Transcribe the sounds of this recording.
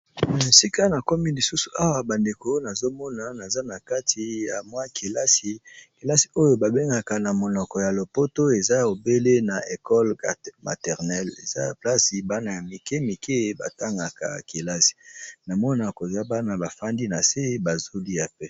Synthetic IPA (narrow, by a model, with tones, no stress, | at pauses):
si˦ka˦na˨ko˦mi˦li˨su˦su̥˨a˦wa˨ba˨nde˨ko˦na˨zo˦mɔ˦na˨na˨za˦na˨ka˦tʰi˨ja˨mwa˦kʰi˨la˦si˨ki˨la˦si̥˨o˦jo˦ba˨be˦ŋɡa˨ka˨na˨mo˨nɔ˨kɔ˨ja˨lo˨po˦to˦e˨za˦˨o˨be˦le˦na˨e˨kɔ˦lma̰˨tɛ˨ʁnɛ˦lḛ˨za˦ja˨pla˦si˨ba˦na˨ja˨mi˨ke˦mi˨kʰe˦ba̰˨ta˦ŋɡa˨ka̰˨ki˨la˦si̥˨na˨mɔ˦na˨ko˨za˦ba˦na˨ba˨fa˦ndi˦na˨se˦ba˨zo˦li˦a˨pɛ˦